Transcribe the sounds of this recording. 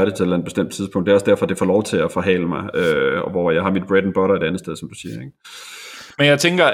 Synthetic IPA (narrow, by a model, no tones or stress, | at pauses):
ɐɾ̥e̝elænd̥b̥e̝sd̥em̰d̥t͡sʰið̞ˠpʰɔ̽ŋ̰d̥eæɒ̽sd̥æɐ̰fɒ̽d̥efɒlɒʊt͡sʰe̝læfɒ̽ɦɛ̰ːləmɑ̈ɪøʋɒjɑ̈ɪɦɑ̈mid̥̚b̥ʁed̥n̩b̥ɒ̽ɾɐe̝ɾ̥ænðˠsd̥eðˠsɒ̽md̥usiːɐeɡ̥ | menjäɪt͡sʰeŋɡ̥ɐ